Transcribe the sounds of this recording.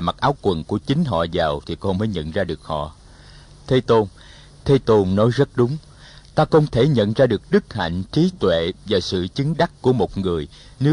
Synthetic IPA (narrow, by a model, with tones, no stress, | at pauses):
ma˨˩k̚ʔaː˨˦wkwə˨˩nku˧˩ət͡ɕï˨˦ŋ̟ɦɔ̰˧˨zaː˨˩wt̪ʰi˨˩kɔ˧məː˨˦jɲə̰˧˨nzaː˧ɗɨ˨˩ək̚hɔ̰˧˨ | t̪ʰe˧˦t̪o˧n | t̪ʰe˧t̪o˧nnɔ˨˦jzə˦˥t̚ɗʊ˨˦ŋ͡m | t̪aː˧xə˧wŋ͡mt̪ʰe˧˩ɲə̰˧˨nzaː˧ɗɨ˨˩ək̚ɗɨ˦˥k̚ha̰˧˨jŋ̟t͡ɕi˨˦t̪wḛ˧˨vaː˨˩sɨ̰˧˨t͡ɕɨ˨˦ŋɗa˦˥kku˧˩əmo˨˩t̚ŋɨ˨˩əj | ne˨˦